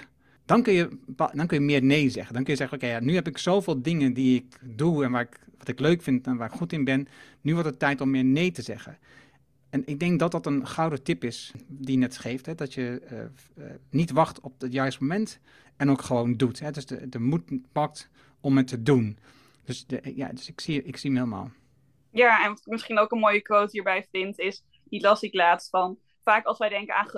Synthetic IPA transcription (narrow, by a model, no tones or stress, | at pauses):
d̥ɔnkønjəpdɔnkønjəmɪːɹnejzɛ̰χəndɔnkønjəzɛχənokejanyɦɛpɪksowvɪːlˠdɪŋəndiɪkduɛnʋaːɹɪkʋɑtɪkløɥkfɪntɛnʋaːɹɪkχutɪnbɪn | nyʋɔɹtətːɛjtɔmːɪːɹnejtəzɛɣə̰ | ɛnɪk̚dɛŋk̚dɔt̚dɔtənχɑwdətɪpɪsdijənɛtχejftɦɛdɔtjəə̰ | nitʋɑχtɔp̚ətjœɥstmomɛnt | ɛnowkχəʋowndutɦɛdøsdə̰dəmut̚pɑk̚t | ɔmɦətːədun | d̥øsəja̰ːdøsɪksiɪksiəmeːləma̰ːlˠ | jaːɛnmɪsχinowkənmoːjəkʋowtɦiːɹbɛjfɪntɪs | dilɑsiklaːtstfɑn | faːkɑlˠsʋɛjdɛŋkəaːχ